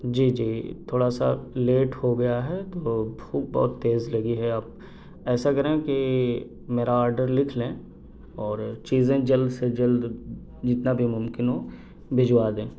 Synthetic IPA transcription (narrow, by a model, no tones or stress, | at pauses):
d͡ʒiːd͡ʒiːt̪ʰoːɽasa̰leːʈhoɡɐjaɦɛt̪oːbʱuːk̚bɔ̰ːt̪ːeːzlɐɡiɦɛaːp̚ | ɛːsakɐɾẽki | meːɾaɔːɾɖəɾlɪkʰlẽː | ɔːɾt͡ʃiːzẽd͡ʒɐld̪sed͡ʒɐld̪ | d͡ʒɪt̪nabʱimʊmkɪnɦõ | bɪd͡ʒwaːd̪ẽː